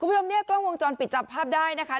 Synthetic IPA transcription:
u˧mːʰ˦u˥t͡ɕʰo˧ni˦˥ɐklɔː˥˩ŋwo˧ŋt͡ɕɔː˧npi˨˩t̪̚t͡ɕa˦˧˩pʰːaː˥˩p̚daː˥˩jna˦˥kʰa˦˥

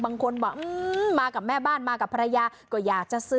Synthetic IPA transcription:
baː˧ŋkʰo˧nbaː˨˩ʔɯ˧maː˧ka˨˩p̚mɛː˥˩baː˥˩nmaː˧ka˨˩pʰːa˧ɾa˧jaː˧kɔː˧˩jaː˨˩k̚t͡ɕa˨˩ʔsɯ˧

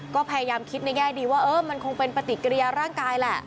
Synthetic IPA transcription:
kɔː˥˩pʰa˧ja˧jaː˧mkʰi˦˥t̪̚na˧jŋɛː˥˩diː˧waː˥˩ʔɤː˦˥˩ma˧nkʰo˧ŋpe˧npa˧t̪i˨˩ka˧ɾi˧ja˧ɾaː˥˩ŋkaː˧jlɛ˨˩ʔ

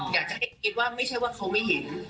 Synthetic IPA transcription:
jaː˨˩k̚t͡ɕa˨˩ɦa˥˩˨ki˧t̪̚waː˥˩ma˥˩jt͡ɕʰa˥˩jwaː˥˩kʰa˧wma˥˩jɦe˩˦n

